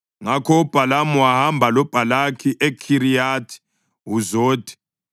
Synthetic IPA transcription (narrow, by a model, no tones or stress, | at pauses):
ŋakʰɔub̥ʱalamuwahambʱalɔb̥ʱalakʰiʔekʰiɾijatʰi̥ | wuzoːd̥ʱʼi̥